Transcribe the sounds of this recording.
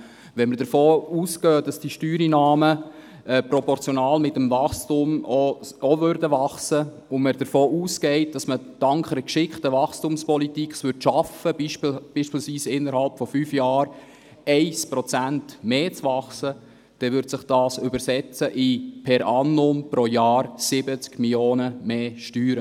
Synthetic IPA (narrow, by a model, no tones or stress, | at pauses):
ʋɛnməɾd̥əɾfoːuːskœːd̥ɑsd̥iʃtyːɾinɑːmə | ɛpɾɔpɔɾt͡sjɔnɑːlmɪtəmvɑχstʊmoɔvøɾdəʋɑχsə | ʊməɾd̥əɾfoːʔuːskɛɪt̚d̥ɑsmə | d̥ɑŋkχɛɾəkʃɪkχtəʋɑχstʊmspɔlitikχsʋʏɾtʃɑfəb̥iʃpiːlsʋiːsɪnːəɾhɑlpfɔfyːfjɑːɾ | ɛɪspɾɔt͡sæntmeːt͡sʋɑχsə | d̥ɛʋʏɾdsɪχd̥ɑːsʏbəɾsɛt͡səʔɪpʰɛɾɑnːʊmpɾojɑːɾsɪbət͡skmiljoːnəmeːʃtyːɾə